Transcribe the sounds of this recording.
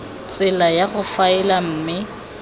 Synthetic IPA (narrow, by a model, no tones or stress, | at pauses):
t͡sʼɪlajaɣʊfaɪlam̩ːmɪ